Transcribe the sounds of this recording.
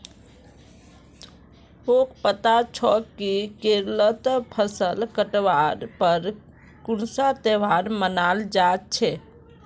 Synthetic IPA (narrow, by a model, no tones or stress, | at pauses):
okpət̪at͡ʃʰɔkikeɾlət̪pʰəsəlkəʈʋaɾpəɾ | kunsat̪eʋaɾmənald͡ʒat̪̚t͡ʃʰɛ